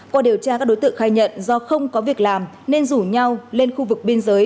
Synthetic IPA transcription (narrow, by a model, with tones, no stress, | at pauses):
kwaː˧ɗi˨˩əwt͡ɕaː˧kaː˦˥k̚ɗo˨˦jt̪ɨ̰˧˨ŋxaː˧jɲə̰˧˨nzɔ˧xə˧wŋ͡mkɔ˨˦vi˨˩ək̚laː˨˩m | ne˧nzu˧˩ɲa˧wle˧nxu˧vɨ˨˩k̚ɓi˧ənzəː˨˦j